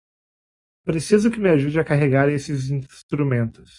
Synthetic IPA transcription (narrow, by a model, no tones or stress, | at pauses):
pɾesizʊkɪmɪaʒud͡ʒɪakaɦeɡaɾẽesɪzĩst̪ɾumẽnt̪ʊs